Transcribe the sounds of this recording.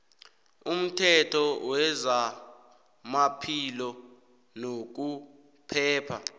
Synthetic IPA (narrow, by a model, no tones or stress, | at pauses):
um̩tʰɛtʰɔwɛza | mapʰilɔ | nok̬u | pʰɛːpʰa